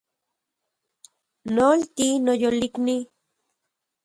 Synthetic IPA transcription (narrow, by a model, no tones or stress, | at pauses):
nolt̪inojolikni